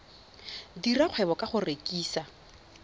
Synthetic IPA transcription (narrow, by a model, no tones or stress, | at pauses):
diraq͡χʰwɛβɔkʼaχʊrekʼiːsa